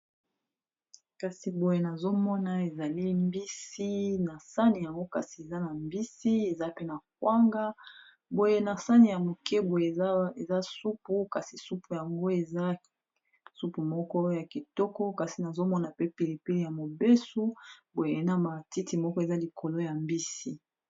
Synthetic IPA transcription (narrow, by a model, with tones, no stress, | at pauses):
ka˨si˨bo˨je˨na˨zo˦mɔ˦na˨e˨za˨li˦mbi˦si˦na˨sa˦ni˨ja˨ŋɡo˦ka˨si˨e˨za˦na˨mbi˦si˦e˨za˦pe˦na˨k̚wa˦ŋɡa˦ | bo˨je˦na˨sa˦ni˨ja˨mo˨kʰɛ˦bo˨je˨˦e˨za˦su˦pu˦ka˨si˨su˦pu˨ja˨ŋɡo˦e˨za˦ | su˦pu˨mɔ˦kɔ˦ja˨ki˨tɔ˦kɔ˦ka˨si˨na˨zo˦mɔ˦na˨pe˦pi˨li˨pi˦li˨ja˨mo˨be˦su˦bo˨je˨˦na˦˨ma˨ti˦ti˨mɔ˦kɔ˦e˨za˦li˨kʰo˨lo˦ja˨mbi˦si˦